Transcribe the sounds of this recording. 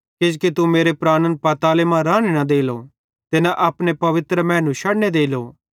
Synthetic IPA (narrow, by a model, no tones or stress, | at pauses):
kɪd͡ʒkit̪umeːɾepɾaːnənpɐt̪aːlemãɾaːɽ̃enãd̪eːilo | t̪ɪnãʔaːpnepɐʋɪt̪ɾəmɛ̃ːnũʃɐɽned̪eːilo